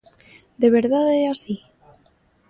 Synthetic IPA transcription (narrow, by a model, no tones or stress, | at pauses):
d̪eβ̞e̞ɾðaðeasi